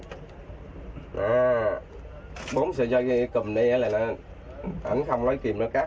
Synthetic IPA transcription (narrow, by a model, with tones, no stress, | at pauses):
ʔaː˨˩ | ɓo˨˦msɛ̰˧˦zɔ˧kkɨ˨˩mɗə˧jʔə˨˦laː˨˩na˨˩ | ʔa̰˧˩˦nxə˧wŋ͡mnɔ˨˦jki˨˩mnɔ˨˦kaː˦˥